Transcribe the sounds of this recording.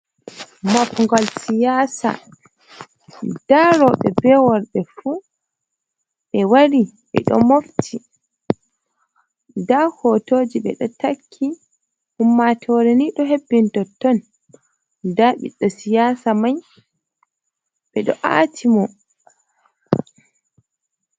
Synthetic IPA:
makŋɡɔlsijasa̰ | daɾɔɓɛbɛwɔɾɗɛfu | ɓɛwaɾi | ɓɛ̰ɗɔ̰moftʰi | dahɔtoːd͡ʒiɓɛ̰ɗɔtakʰːi | humːatʰɔɾɛniɗɔɦebːintɔtːɔn | daɓḭɗːɔsijaːsamaj | ɓɛɗɔʔa̰ːtʰimɔ

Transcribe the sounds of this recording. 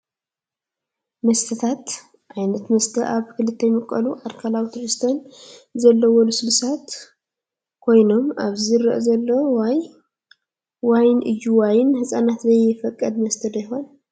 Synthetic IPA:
mɐst̪ʰɐt̪ʰat̪ | ʔajnɐt̪mɐst̪ʰɐʔaβkɨlɨt̪ʰːɐjmɨkʼːɐ̰luʔaɾkʰalawt̪ʰɨɾɨst̪ʰɐnzɐlːɐwɔlusɨlsat̪ | kʰo̞jno̞mʔaβziɾɐ̰ʔzɐlːoj | wajnʔɨ̰jːuwajɪnhɨsʼanat̪zɐjɪfɐkʼːɐd̪mɐst̪ʰɐd̪ajho̞n

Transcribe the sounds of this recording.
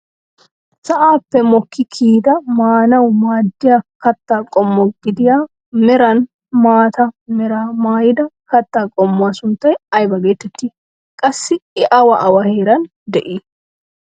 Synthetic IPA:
sɐʔaːpːɛmɔkːɪkʰiːd̪ɐmaːnɐwmaːd̪ːɪjakɐt̪ːaːkʼɔmːɔɡ̥ɪd̪ɪjaː | mɛɾɐn | maːt̪ɐmɛɾaːmaːjɪd̪ɐkɐt̪ːaːkʼɔmːʊwaːsʊnt̪ːɐjɐjbɐɡe̞ːt̪ːɛt̪ːiː | kʼɐsːɪɛʔɐwɐʔɐwɐheːɾɐn | d̪ɛʔiː

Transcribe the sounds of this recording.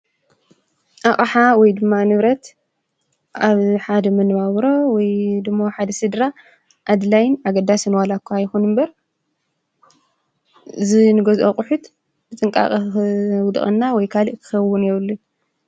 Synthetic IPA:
ʔaχʼħawɔjd̪ɨmːanɨβɾɐt̪ | ʔaβħad̪ɐmɐnβaβɾo̞wɔjd̪ɨmːoħad̪ɐsɨd̪ɾa | ʔad̪lajnaɡɐd̪ːasɨnwalakːuajxunɨmbɐɾ | ɨzinɨɡɐzʔokʼʊħut̪ | bɨt̪ʼɨŋkʼa̰χʼwʊd̪χʼɐnːawɔjkʰalɨʔkʰɨ̥xɐwːunjɛβlːu

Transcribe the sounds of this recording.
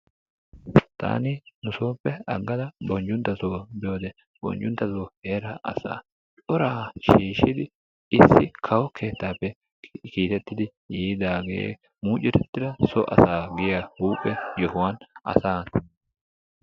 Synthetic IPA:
t̪ʰa̰ːninʊsoːpːɛɐɡːɐd̪ɐbɔnd͡ʒʊnt̪ːɐsoːbɪjoːd̪ɛ | b̥ɔ̰nd͡ʒʊnt̪ːɐsoːhe̞ːɾɐʔɐ̰sa̰ː | t͡ʃɔɾaːʃiːʃɪd̪ɪ | ɪsːɪkʰɐwɔkʰe̞ːt̪ːaːpːɛ | kiːt̪ɛt̪ːɪd̪ɪ | jiːd̪aːɡḛː | muːt͡ʃʼːɪt̪ɛt̪ːɪd̪ɐsɔʔɐ̰saːɡɪjahuːpʼːɛjɔhʊwanɐ̰saː

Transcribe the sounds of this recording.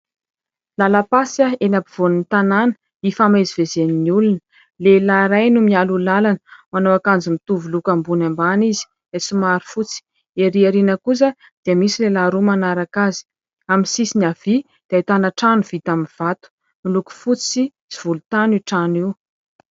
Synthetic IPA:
lalapasaenapiv̥onunit̪ananə̥ | ifamezivezeniniulun | lelaɾajnumialulalanəmanowakand͡zimit̪uvulukambunambanizi̥ | esumaɾi̥fut͡si̥ | eɾiaɾinəkus̬ə | d̪̥iəmisilelaɾumanaɾakazi̥ | aminsisinav̥i | d̪̥ait̪anaʈ͡ʂanuv̥it̪aminv̥at̪u̥ | miluku̥fut͡si | ziv̥ulut̪aniʈ͡ʂaniw

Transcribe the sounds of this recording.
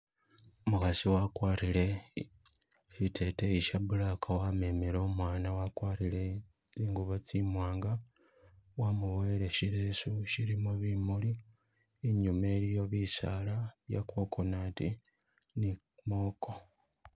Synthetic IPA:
mukasiwakwaːrile̞ | ʃitʰe̞teiʃabulakʰawameːmeɾoːmwaːnawakwaːrile̞ | iːŋɡuβot͡simwaːŋɡa | wamuwele̞ʃiɾesuʃiɾimuβimuliː | ɲumeɾijo̞βisalaβja̰kwo̞ːkʰonati | ni | mo̞ːko

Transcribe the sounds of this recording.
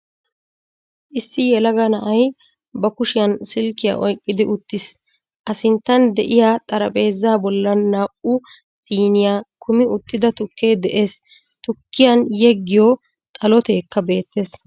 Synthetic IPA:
ʔɪsːɪjɛlɐɡɐnɐʔɐj | bɐkʊʃɪjɐnsɪlkɪja̰ʔɔjkʼːɪd̪ɪʔʊt̪ːɪs | ʔɐsɪnt̪ːɐnd̪ɛʔɪjat̪ʼɐɾɐpʼe̞ːzːaːbɔlːɐnaːʔʊ | siːnɪjaːkʰʊmɪʊt̪ːɪd̪ɐt̪ʊkːe̞ːd̪ɛʔe̞ːs | t̪ʊkːɪjɐnjɛɡːɪjɔ | t̪ʼɐlɔt̪e̞ːkːɐbe̞ːt̪ːe̞ːs

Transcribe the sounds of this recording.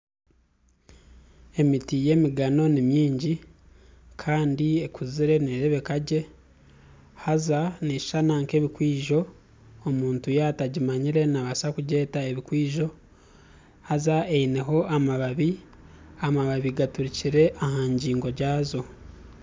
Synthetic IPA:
e̞mitije̞ːmiɡano̞nimjiːɲɟi | kʰaːndiekuziɾe̞neɾeβe̞kaɟe̞ | hazane̥ʃanaŋke̞βikwiːʒo̞ː | muːntujataɟimaɲiɾe̞naβasakuɟe̞ːtae̞βikwiːʒo̞ | hazaeine̞ɦo̞ʔamaβaβi | amaβaβiɡatuɾiciɾe̞ʔaɦaɲɟiːŋɡo̞ɟaːzo̞

